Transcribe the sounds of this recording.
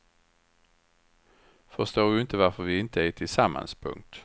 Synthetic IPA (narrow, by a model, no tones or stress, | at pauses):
fɔʁst̪oːʁd̪ʉːɪnt̪əʋæʁfɔʁʋiːɪnt̪ʰəiːt̪ʰɪlsɑmʔɑ̰nspʰʊ̰ŋt̪